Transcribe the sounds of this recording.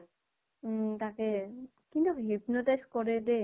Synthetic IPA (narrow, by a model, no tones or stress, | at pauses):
takɛ | kintuɦip̚nɔtajskɔɹɛdɛ